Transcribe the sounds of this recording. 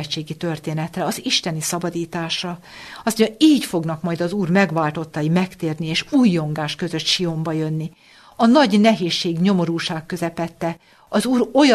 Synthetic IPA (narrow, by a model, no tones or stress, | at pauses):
t͡ʃːeːɡit̪ø̞rt̪eːnɛt̪rɛɒziʃt̪ɛnisɒbɒd̪iːt̪aːʃɒ | ɒsmoɲɒiːcfo̞ɡnɒkmɒjd̪ɒzuːrmɛɡʋaːlt̪o̞t̪ːɒjimɛkt̪eːrnieːʃuːjːo̞ŋɡaːʃkø̞zø̞t̪ʃio̞mbɒjønːi | ɒnɒɟnɛɦeːʃːeːɡɲo̞mo̞ɾuːʃaːkːø̞zɛpɛt̪ːɛ | ɒzuːɾo̞j